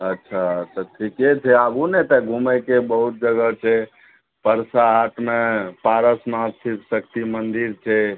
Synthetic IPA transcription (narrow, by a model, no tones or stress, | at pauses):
ətːʃʰat̪ɔʈʰiket͡ʃʰɛabunet̪əɡʱumɛkebəɦut̪̚d͡ʒəɡət͡ʃʰɛ | pəɾsaːʈʰmepaɾəsmasʰiksəkt̪imənd̪iɾt͡ʃʰɛ